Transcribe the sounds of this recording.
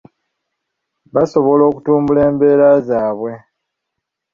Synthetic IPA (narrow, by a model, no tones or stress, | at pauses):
βaso̞βo̞lo̞ːku̥tuːmbule̞ːmbe̞ːɾazaːβwe̞